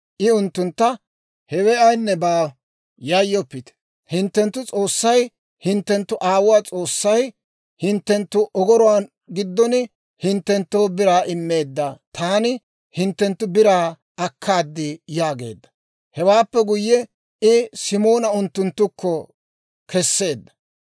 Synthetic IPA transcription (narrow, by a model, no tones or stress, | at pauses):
ʔɪʊnt̪ːʊnt̪ːɐ | hɛwɛɐjnːɛbaː | jajːɔpːɪt̪ɛ̥ | hɪnt̪ːɛnt̪ːʊt͡sʼo̞ːsːɐj | hɪnt̪ːɛnt̪ːʊʔaːwʊwaːt͡sʼo̞ːsːɐj | hɪnt̪ːɛnt̪ːʊʔɔɡɔɾɔwaːn | ɡɪd̪ːɔnɪ | hɪnt̪ːɛnt̪ːo̞ːbɪɾaːʔɪmːe̞ːd̪ːat̪ʰaːnɪ | hɪnt̪ːɛnt̪ːʊbɪɾaː | ɐkʰːaːd̪ːɪjaːɡe̞̰ːd̪ːɐ̥ | hɛwaːpːɛɡʊjːɛ | ɪsɪmo̞ːnɐʊnt̪ːʊnt̪ːʊkːɔ | kʰɛsːe̞ːd̪ːɐ̥